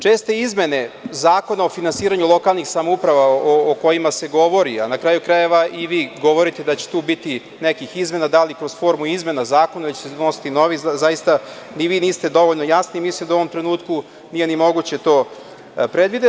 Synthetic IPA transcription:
t͡ʂe̞ːst̪e̞izme̞ne̞zaːko̞naofinansiːɾaɲulˠo̞kalˠnixsamoupɾaʋaooko̞jimaseɡo̞ʋo̞ɾia̰nakɾaːjukɾaje̞ʋaʔiʋiːɡo̞ʋo̞ɾit̪ed̪at͡ɕe̥t̪uːbit̪i | nekixizme̞nad̪alikɾo̞zfo̞ɾmuizme̞nazaːkonaet͡ɕsenosi̥t̪ino̞ʋizajist̪aniʋiːniːst̪ed̪o̞ʋoʎnojasnimislimd̪aoʋo̞mt̪ɾenuːt̪ku | nije̞nimo̞ɡut͡ɕe̞t̪o̞ː | pɾe̞d̪ʋid̪e

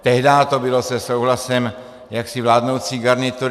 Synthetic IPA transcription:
t̪ɛɦdaːt̪o̞bɪlo̞sɛsowɦlasɛm | jaksɪvlaːdno̞wt͡siːɡaɾnɪt̪uɾ

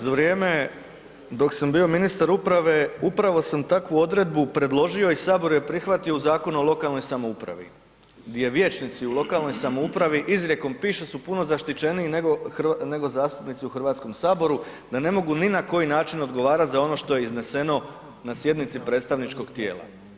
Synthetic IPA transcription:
zaʋɾjeːme̞ | d̪o̞ksambio̞minist̪aɾupɾaʋe̞upɾaʋo̞samt̪akʋuo̞d̪ɾe̞d̪̚bupɾe̞d̪lˠo̞ʒio̞isaːbo̞ɾujepɾixʋat̪io̞uzaːko̞nuolˠo̞kalˠno̞jsamoupɾa̰ʋḭ | ɡd̪jeʋje̞ːt͡ʃnit̪siulˠo̞kalno̞jsamoupɾaʋiʔizɾje̞ko̞mpiːʃesupuno̞zaʃt̪it͡ʃe̞niːneɡo̞xɾne̞ɡo̞zaːst̪upnit̪siuxr̩ʋaːt̪sko̞msaːbo̞ɾu | d̪ane̞mo̞ɡuninako̞jinaːt͡ʃino̞d̪ɡo̞ʋaːɾat̪zao̞no̞ʃt̪o̞je̞izne̞se̞no̞ | nasje̞d̪nit̪sipɾe̞ːt̪st̪aʋnit͡ʃko̞ɡt̪je̞ːlˠa̰

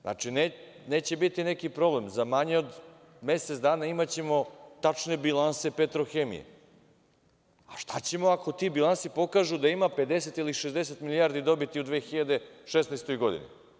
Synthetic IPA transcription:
nʔa̰t͡ʂine | ne̞ːt͡ɕe̞bit̪ine̞kipɾo̞ble̞mzamaɲeod̪ | me̞set̪d̪aːnaimat͡ɕe̞mo̞t̪at͡ʂne̞bilˠanse̞pet̪ɾo̞xeːmḭjḛ | aʃt̪at͡ɕe̞mo̞ako̞t̪ibilˠansipo̞kaːʒud̪aimape̞d̪e̞se̞t̪iliʃezd̪es̬et̪miliaːɾd̪id̪o̞bit̪iud̪ʋeːxiʎad̪e̞ʃesnajst̪o̞jɡo̞d̪ḭnḭ

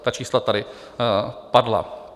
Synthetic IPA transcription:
t̪at͡ʃiːslat̪adɪ | padla̰

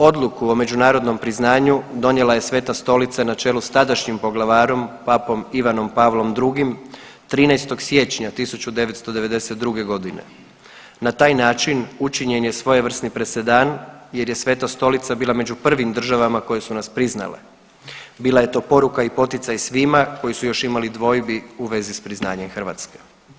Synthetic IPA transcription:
o̞d̪lˠukuome̞d͡ʑunaːɾo̞d̪no̞mpɾiznaːɲud̪o̞ɲe̞laje̞sʋe̞t̪ast̪o̞lit̪sanat͡ʃe̞lust̪ad̪aʃɲimpo̞ɡlˠaʋaːɾo̞mpapo̞miʋano̞mpaːʋlˠo̞md̪ɾuɡim | t̪ɾiːnɛjst̪o̞ɡsje̞t͡ʃɲat̪isut͡ɕud̪e̞ʋet̪st̪o̞d̪eʋe̞d̪e̞set̪̚d̪ɾuɡe̞ɡo̞d̪ine̞̰ | nat̪aːjnaːt͡ʃinut͡ʃiɲenjesʋo̞jeʋr̩snipɾe̞se̞d̪anje̞ɾje̞sʋe̞t̪ast̪o̞lit̪sabiːlˠame̞d͡ʑupr̩ʋimd̪r̩ʒaʋamako̞jesunaspɾizna̰lḛ | biːlˠaje̞t̪o̞ːpo̞ɾukaipo̞t̪it̪sajsʋimako̞jisujo̞ʃimalid̪ʋo̞jbiuʋe̞zispɾizna̰ːɲemxr̩ʋa̰ːt̪ske

